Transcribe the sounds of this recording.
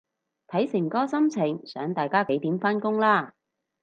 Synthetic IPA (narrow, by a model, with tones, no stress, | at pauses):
t̪ʰɐ˨˥jsɪ˨˩ŋkɔː˥sɐ˥mt͡sʰɪ˨˩ŋsœː˨˥ŋt̪aː˨jkaː˥ke˨˥jt̪iː˨˥mfaː˥nkʊ˥ŋlaː˥˩